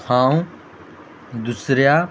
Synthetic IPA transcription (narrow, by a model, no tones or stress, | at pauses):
hãːũ | d̪usɾjaː